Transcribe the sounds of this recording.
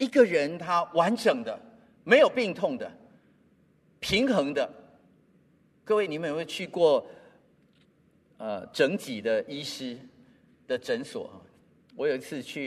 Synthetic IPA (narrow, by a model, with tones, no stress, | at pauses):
i˨˩ɡə˨ɻə˧˦nt̪ʰa˥wa˧˦nʈ͡ʂə˨˩ŋd̪ə˨ | me˧˥ɪjo˨˩ʊpi˥˧ŋt̪ʰʊ˥˩ŋd̪ə˩ | pʰi˧˥ŋxɤ˧˥ŋd̪ə˨ | kɤ˥˧we˥˩ɪni˨˦mə˨n˨we˥˧˩t͡ɕʰy˥˧kwɔ˥˩ | ə˨˩ʈ͡ʂə˧˥ŋt͡ɕi˨˩d̪ə˦ʔi˥ʂɹ̩˥ | d̪̥ə˨ʈ͡ʂə˧˦nswɔ̰˨˩˨ | wɔ˧˦jo˨˩ʊi˧˥t͡sʰɹ̩˥˧t͡ɕʰy˥˨